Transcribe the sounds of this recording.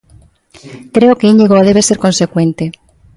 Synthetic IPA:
kɾeokeiɲeɣoaðeβeseɾkõnsekwẽnt̪e

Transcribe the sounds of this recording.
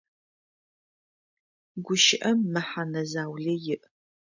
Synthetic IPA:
ɡʷʊʃɪʔɐmːɐħanɐzaːwɮɐjɪʔ

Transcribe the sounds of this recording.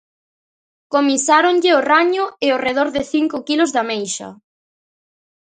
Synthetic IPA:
komisaɾoŋʎɪoraɲʊɪoreðoɾðɪθiŋkʊkilʊzðɐmejʃɐ̰

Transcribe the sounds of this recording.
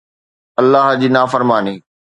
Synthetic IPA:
ɐlːaɦd͡ʑiːnaːfəɾmaːniː

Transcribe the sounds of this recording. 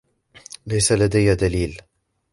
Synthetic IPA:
lajsalad̪ajad̪aliːl

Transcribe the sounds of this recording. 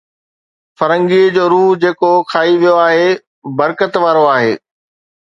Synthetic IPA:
fɐɾə̃ŋɡid͡ʑoːɾuːɦd͡ʑeːkokʰaːiʋijoaːɦe | bɐɾkət̪ʋaːɾoaːɦeː

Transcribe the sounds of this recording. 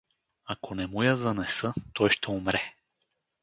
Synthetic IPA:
akʰonɛmujazɐnɛsɤt̪ɔjʃt̪ɛumɾɛ

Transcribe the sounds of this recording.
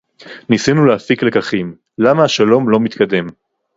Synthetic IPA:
nisinuleafiklekaχim | lamaːʃalo̞mlo̞mit̪kad̪e̞m

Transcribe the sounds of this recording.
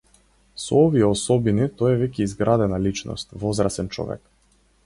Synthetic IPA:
sɔ̰ɔviɛɔsɔbinit̪ɔjɛvɛcʲɛizɡɾad̪ɛnalit͡ʃnɔ̰st̪vɔzɾasɛnt͡ʃɔ̰vɛ̰k

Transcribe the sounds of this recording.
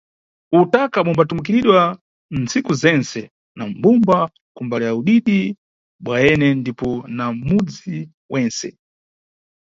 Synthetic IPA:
utakaɓɔmbatumukiɾiɗwa | n̩t͡sikuzɛnsɛ | nambumba | kumbalɛjauɗiɗi | ɓwaɛnɛndipɔnamud͡zi | wʔɛnsɛ̰

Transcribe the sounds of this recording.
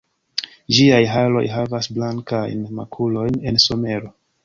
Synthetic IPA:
d͡ʒiajɦalo̞̰jɦavasblaŋkajnma̰kʰulo̞jne̞nso̞me̞ɾo̞

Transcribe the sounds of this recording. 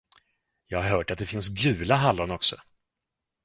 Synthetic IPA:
jɑːɡhaɾɦœːʈat̪̚d̪ɛfɪnsɡʉ̟ːlaɦalːɔnɔksɔ

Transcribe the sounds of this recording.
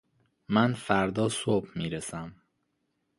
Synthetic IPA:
mænfæɾd̪ɒːsobmiːɾesæm

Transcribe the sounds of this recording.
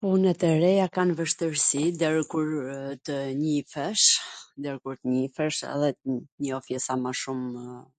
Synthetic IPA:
punɛt̪ɛɾɛjakanvəʃt̪əɾsid̪ɛɾkuɾt̪əɲifɛʃd̪ɛɾkuɾt̪əɲifɛʃɛ̰ðɛɲəɔfjɛsamaʃum

